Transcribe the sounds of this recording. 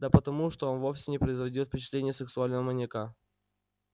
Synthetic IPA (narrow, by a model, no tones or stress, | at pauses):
d̪əpət̪ɐmuʂt̪o̞onvo̞fsʲɪnʲɪpɾəɪzvɐdʲilˠfʲpʲɪt͡ɕɪ̥t̪lʲenʲɪjəsɨksʊalʲnəvəmɐnʲeka